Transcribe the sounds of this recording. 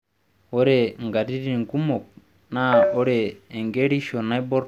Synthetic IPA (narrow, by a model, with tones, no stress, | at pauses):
ɔ˦ɾɛ˨ŋɡa˨di˦ɾi˦˨ŋɡu˦mɔ˨k̚ | na˦ɔ˦ɾɛː˨ŋɡe˦ɾi˦ʃɔ˨na˦jbɔ˦ɾ